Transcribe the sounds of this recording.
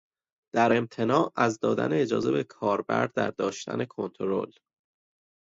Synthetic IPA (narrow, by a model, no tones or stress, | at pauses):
d̪̥æɾe̞mt̪ʰe̞nɒːʔæzd̪ɒːd̪æ̰neːd͡ʒɒ̰ːze̞be̞kʰɒːɾbæ̰ɾd̪æ̰ɾd̪ɒːʃt̪ʰæ̰ne̞kʰo̞nt̪ʰoɾo̞̰l